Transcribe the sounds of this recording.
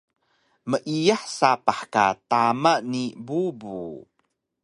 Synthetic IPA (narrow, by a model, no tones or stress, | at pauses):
məʔijaħsapaħka̰tamanibubṵ